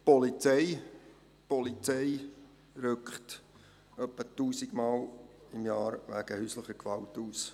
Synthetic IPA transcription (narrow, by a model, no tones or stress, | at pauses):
pɔlit͡sɛɪ | pɔlit͡sɛɪ | ɾʏkχt | œpːətuːsɪɡmɑːlɪmjɑːɾʋæ̰ɡ̥əhysləχəkʋɑltuːs